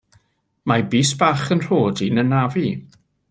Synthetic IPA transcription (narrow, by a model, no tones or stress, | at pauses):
mabiːsb̥aχənr̥oːdinənavi